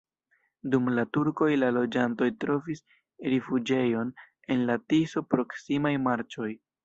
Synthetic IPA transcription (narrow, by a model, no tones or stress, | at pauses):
dumlatuɾko̞jlalo̞d͡ʒanto̞jtɾo̞vis | ɾifud͡ʒe̞jo̞n | e̞nlatiso̞pɾo̞ksimajmaɾt͡ʃo̞j